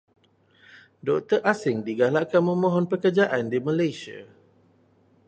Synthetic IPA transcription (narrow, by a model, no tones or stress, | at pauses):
dɔk̚t̪ərʔasɪŋdiɡalaʔkanmə̃mɔ̃ɦɔnpəkərd͡ʒaʔandimãlajsia̰